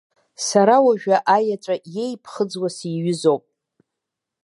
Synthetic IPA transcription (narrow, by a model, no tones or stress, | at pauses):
saɾawaʒᶣaʔajat͡ʃʷʼaje̞jpʰχəd͡zwasiɥʏzo̞wpʼ